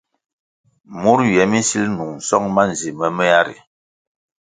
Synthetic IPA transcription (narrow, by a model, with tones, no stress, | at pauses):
mu˦ɾɥɛ˨˦mi˦si˦lnu˨ŋn̩˨sɔ˦ŋma˦n˨zi˨mə˦mɛ˦a˦ɾḭ˨